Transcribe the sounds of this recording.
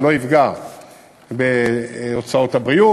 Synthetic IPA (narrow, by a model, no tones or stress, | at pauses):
lo̞ivɡa | beot͡sao̞t̪habʁiu